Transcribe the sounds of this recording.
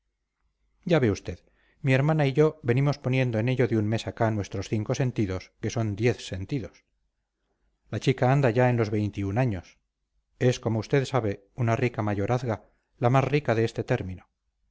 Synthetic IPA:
ɟ͡ʝaβe̞ust̪e̞ð | mie̞ɾmanaiʝo̞βe̞nimo̞spo̞nje̞nd̪oene̞ʎo̞ðeunme̞sakanwe̞st̪ɾo̞sθiŋko̞se̞nt̪iðo̞ske̞so̞nd̪je̞θse̞nt̪iðo̞s | lat͡ʃikaand̪aʝae̞nlo̞zβe̞jnt̪iunaɲo̞s | e̞sko̞mo̞ust̪e̞ðsaβe̞ | unarikamaʝo̞ɾaθɣa | lamasrikaðe̞est̪e̞t̪e̞ɾmĩno

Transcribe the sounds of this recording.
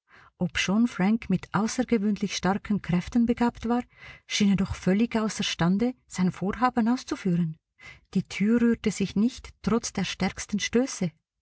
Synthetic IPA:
ʔɔpʃɔnfʁaŋkmɪtʰʔaʊsəɡəvøːnlɪçʃtaʁkʰənkʁ̥ɛftənbəɡaːptv̥aːʁʃiːnədɔχfœlɪɡaʊsəʁʃtandəz̥aɪnfoːʁɦaːbənaʊst͡sufyːʁən | d̥iːtʰyːʁyːɐtəz̥ɪçnɪçttʁ̥ɔt͡sd̥eːɐʃtɛʁkstən̩ʃtøːsə

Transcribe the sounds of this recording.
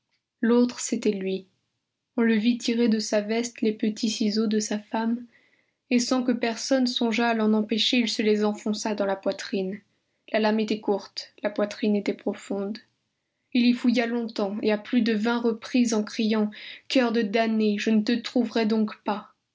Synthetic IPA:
lot̪χəset̪ɛlɥi | ɔ̃ləvit̪ʰiʁed̪əsavɛst̪lepət̪ʰisizod̪əsafam | esɑ̃kəpɛʁsɔnsɔ̃ʒaːlɑ̃nɑ̃peʃeilsəlezɑ̃fɔ̃sad̪ɑ̃lapwat̪χin | lalamet̪ɛkuʁt̪lapwat̪χinet̪ɛpχɔfɔ̃d̪ | ilifujalɔ̃t̪ɑ̃eaplyd̪əvɛ̃ʁəpχizɑ̃kχijɑ̃kœʁd̪əd̪aneʒənət̪ət̪χuvʁɛd̪ɔ̃kpa

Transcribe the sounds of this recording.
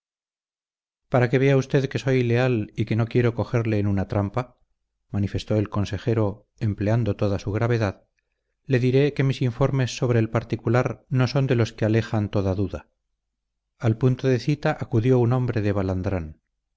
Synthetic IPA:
paɾake̞β̞e̞aust̪e̞ðke̞so̞jile̞alike̞no̞kje̞ɾo̞ko̞xe̞ɾle̞ːnunat̪ɾampa | manife̞st̪o̞elko̞nse̞xe̞ɾo̞ | empleand̪o̞t̪o̞ðasuɣɾaβe̞ðað | le̞ðiɾe̞ke̞misiɱfo̞ɾme̞sːo̞βɾe̞ːlpaɾt̪ikulaɾno̞so̞nd̪e̞lo̞skeale̞xant̪o̞ðaðuða | alpunt̪oðe̞θit̪aʔakuðjo̞unõ̞mbɾe̞ðe̞βaland̪ɾan

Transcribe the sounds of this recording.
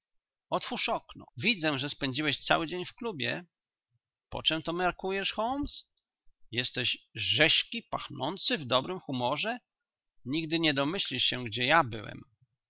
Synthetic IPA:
ɔt̪fuʂɔknɔ̰vʲid̪zɛ̃ʐɛspɛɲd͡ʑiwɛɕt̪sa̰wɘd͡ʑeɲfklubʲjɛ̰ | pɔ̰t͡ʂɛmt̪ɔmaɾkujɛʂxɔlms | jɛst̪ɛɕʐɛɕkʲipaxnɔnt̪sɘvd̪ɔbɾɘmxumɔʐɛ | ɲiɡd̪ɘɲɛd̪ɔmɘɕlʲiʂɕɛɡ̚d͡ʑɛjabɘ̰wɛ̰m

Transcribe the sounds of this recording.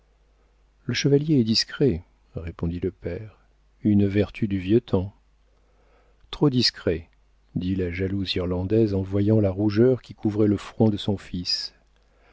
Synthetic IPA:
ləʃəvaljeɛd̪iskχɛ | ʁepɔ̃d̪iləpɛʁ | ynvɛʁt̪ʰyd̪yvjət̪ɑ̃ | t̪χod̪iskχɛ | d̪ilaʒaluziʁlɑ̃d̪ɛzɑ̃vwajɑ̃laʁuʒœʁkʲikʰuvʁɛləfχɔ̃d̪əsɔ̃fis

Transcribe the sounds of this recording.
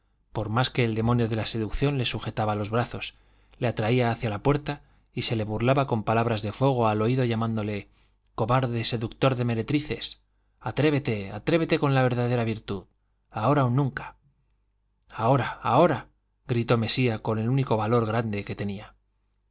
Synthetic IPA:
po̞ɾmaske̞ːld̪e̞monjoðe̞lase̞ðukθjo̞nle̞suxe̞t̪aβalo̞zβɾaθo̞s | leat̪ɾaiaːθjalapwe̞ɾt̪a | ise̞le̞βurlaβako̞mpalaβ̞ɾazðe̞fo̞ɣ̞o̞alo̞iðo̞ʝamãnd̪o̞le̞ | koβaɾðe̞se̞ðukt̪o̞ɾðe̞me̞ɾe̞t̪ɾiθe̞s | at̪ɾe̞βe̞t̪e̞a̰t̪ɾe̞βe̞t̪e̞ko̞nlaβ̞e̞ɾðaðe̞ɾaβiɾt̪uð | ao̞ɾaunːũŋkḁ | ao̞ɾaːo̞ɾa | ɣɾit̪o̞me̞siako̞ne̞luniko̞βalo̞ɾɣ̞ɾand̪e̞ke̞t̪e̞nia

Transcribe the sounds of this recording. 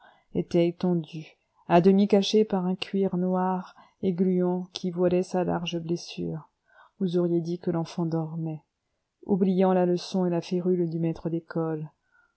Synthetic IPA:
et̪ɛːt̪ɑ̃d̪y | ad̪əmikaʃepaʁɛ̃kʰʲɥiʁnwaʁ | eɡlyɑ̃kʲʰivwalɛsala̰ʁʒəblesy̰ːʁ | vuzɔʁjed̪ikəlɑ̃fɑ̃d̪ɔʁmɛ | ublijɑ̃laləsɔ̃elafeʁyld̪ymɛt̪χəd̪ekɔl

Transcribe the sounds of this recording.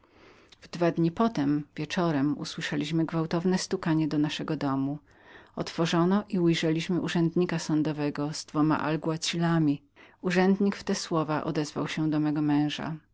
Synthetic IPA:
vd̪vad̪ɲipɔt̪ɛmvʲjɛt͡ʂɔɾɛmṵswɘʂɛlʲiɕmɘɡvawt̪ɔvnɛst̪ukaɲɛd̪ɔnaʂɛɡɔd̪ɔmu | ɔt̪fɔʐɔnɔʔiujʐɛlʲiɕmɘʔuʐɛnd̪ɲikasɔnd̪ɔvɛɡɔzd̪vɔma̰ʔa̰lɡuat͡ɕilamʲi | uʐɛnd̪ɲikft̪ɛswɔvaʔɔ̰d̪ɛzva̰wɕɛd̪ɔmɛɡɔmɛ̃w̃ʐa̰

